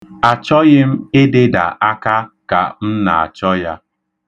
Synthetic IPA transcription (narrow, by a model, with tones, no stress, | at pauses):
a˨t͡ʃɔ˦ɣɪ˦m̩˦ɪ˦dɪ˦da̰˨ʔa˦ka˦ka̰˨m̩˦na̰˨a̰˨t͡ʃɔ˦ja˦